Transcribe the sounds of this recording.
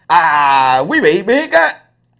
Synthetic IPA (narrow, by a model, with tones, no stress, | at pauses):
ʔaː˨˩kwi˨˦vḭ˧˨ɓi˦˥ək̚aː˨˦